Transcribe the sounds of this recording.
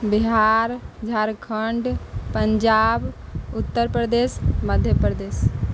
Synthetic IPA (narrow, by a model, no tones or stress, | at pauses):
biɦaɾd͡ʒʱaɾkʰəɳɖpəɲd͡ʒabut̪ːəɾpɾəd̪esməd̪ʱjəpɾəd̪eːs